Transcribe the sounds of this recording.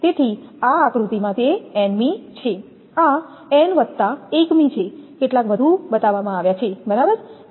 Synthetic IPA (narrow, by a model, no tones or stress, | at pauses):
t̪et̪ʰiaakɾut̪imãt̪eɛnmit͡ʃʰe | a | ɛnʋətt̪ːaekmit͡ʃʰekeʈlakʋəd̪ʱubət̪aʋamãaʋjat͡ʃʰebəɾabəɾ